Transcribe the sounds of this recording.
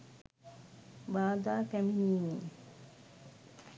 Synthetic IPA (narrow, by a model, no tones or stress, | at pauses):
baːd̪aːkæminiːneː